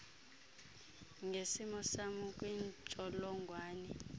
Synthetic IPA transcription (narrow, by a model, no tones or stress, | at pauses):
ŋʱesimɔsamukʼwiːnt͡ʃʼɔlɔŋɡʱwaːnɛ